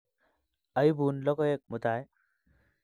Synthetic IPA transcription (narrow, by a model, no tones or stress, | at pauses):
əjbunlɔɡɔek̚mut̪aj